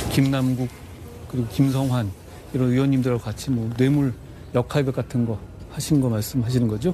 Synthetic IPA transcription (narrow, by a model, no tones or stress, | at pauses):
kimnamɡuk̚ | k͈ɯɾiɡokimsʰʌŋɦwan | iɾʌniwʌnːimdɯɾkat͡ɕʰimwʌnwe̞muɭ | jʌkʰaɭɡʌk͈atʰɯnɡʌ | haɕʰinɯnɡʌmaɭs͈ɯmɦaɕ̬ʰinɯnɡʌd͡ʑo